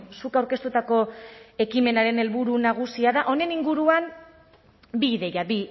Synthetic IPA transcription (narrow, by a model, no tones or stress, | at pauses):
sukawɾke̞st̪ut̪ako̞e̞kime̞naɾe̞ne̞lβuɾunaɣ̞usiaðaʔo̞ne̞niŋɡuɾuan | biːðe̞jabi